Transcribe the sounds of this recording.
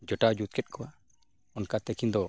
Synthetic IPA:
d͡ʒɔʈad͡ʒut̪̚kɛt̪̚kʰɔwa | ɔnkat̪ɛkind̪ɔ

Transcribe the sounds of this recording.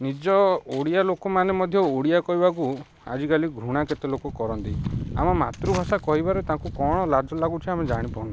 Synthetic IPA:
nid͡ʒɔoɽijalokɔmanemɔd̪ʱjɔoɽijakɔɦibaku | a̰d͡ʒikaliɡʱɾuɽ̃aket̪elokɔkɔɾɔnt̪ia̰mɔma̰t̪ɾubʱasakɔɦibaɾet̪ãŋkukɔɽ̃ɔlad͡ʒʱɔlaɡut͡ʃʰiamed͡ʒaɽ̃ipɔũna

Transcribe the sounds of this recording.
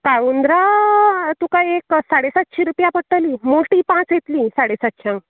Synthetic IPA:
kaʋund̪ɾa | t̪ukajeksaɽesat̪ɕʰiɾupjapəɽʈəliːmoʈiːpãt͡sjet̪liːsaɽesat̪ɕʰãŋk

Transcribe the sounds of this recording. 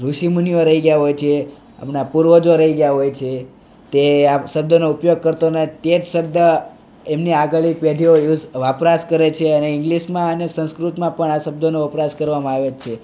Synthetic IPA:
ɾuʃimunjoɾəɦiɡjaɦojt͡ʃʰe | ə̰pnapuɾʋod͡ʒoɾəɦiɡəjaɦojt͡ʃʰe | t̪eaʃəb̚d̪ʱonoupjoɡ̚kəɾt̪onat̪et̪ʃəb̚d̪ʱə | emniaɡəɭipeʈioeuʋapɾaskəɾet͡ʃʰeəneɪŋɡliʃmãənesə̃nskɾut̪mãpəɳaʃəb̚d̪ʱonoəpɾaskəɾʋamãaʋet͡ʃʰe

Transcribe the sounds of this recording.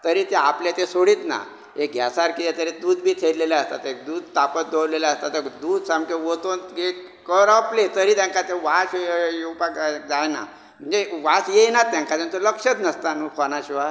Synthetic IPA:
t̪əɾit̪eapljat̪esoɽiːt̪na̰ | ek̚ɡʱja̰saɾkit̪et̪əɾed̪uːd̪̚bʱiːt̪ʰeɾlelaəst̪a̰t̪ek̚d̪uːd̪t̪apət̪̚d̪ʱoɾlelaəst̪at̪əd̪uːd̪samkeʋot̪onɡe | kəɾəplet̪əɾiːt̪jãŋkat̪ẽʋaɕjewpakd͡zajna̰ | m̤ənd͡zeʋasjenat̪ːjãŋkat̪ẽnt̪oləkʂət̪nəst̪anukʰɔnaɕiʋa

